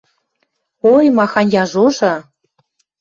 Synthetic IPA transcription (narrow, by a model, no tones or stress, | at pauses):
ojmɑxɑnʲjɑʒoʒɤ̆